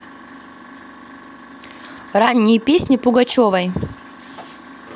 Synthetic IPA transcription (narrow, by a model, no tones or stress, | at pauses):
ranʲːɪjəpʲesʲnʲɪpʊɡɐt͡ɕovɐj